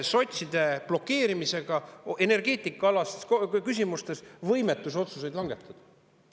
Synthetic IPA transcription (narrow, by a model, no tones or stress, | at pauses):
so̞t̪ʲsid̪̥e̞b̥lo̞kːe̞ːɾimise̞ɡ̥ɑe̞ne̞rɡ̥e̞ːt̪ˑikːˑɑɑlɑskys̬ʲimust̪e̞svɤ̞jme̞t̪ːˑuso̞t̪suse̞jd̪lɑŋɡ̥e̞t̪ːˑud̪̥